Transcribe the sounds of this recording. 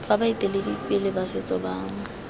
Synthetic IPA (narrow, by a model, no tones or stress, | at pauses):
fabaitʼeledipʼɪlɪbasɪt͡sʼɔbaːŋ̩